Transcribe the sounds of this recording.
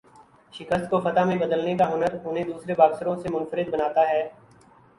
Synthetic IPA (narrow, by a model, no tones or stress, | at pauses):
ʃɪkəst̪kofɐt̪amẽbəd̪əlnekaɦʊnəɾʊnɦẽd̪uːsɾebaːɡsəɾõsemʊnfəɾɪd̪̚bənaːt̪aɦɛː